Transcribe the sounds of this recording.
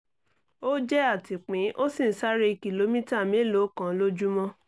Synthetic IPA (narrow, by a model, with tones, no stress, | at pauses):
o˦d͡ʒɛ˦a˦˨ti˨k͡pĩ˨˦ʔo˦sĩ˦˨n̩˨˦sa˦ɾe˧ki˨lo˧˦mĩ˦ta˦˨mĩ˨˦lo˨˦kã˨˦lo˦d͡ʒu˦mɔ̃˦